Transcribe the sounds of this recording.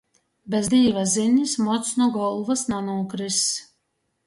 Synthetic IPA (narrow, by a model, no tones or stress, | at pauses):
bɛzd̪iːvazinʲismɔt̪snuɡɔlˠvasnanuːkɾis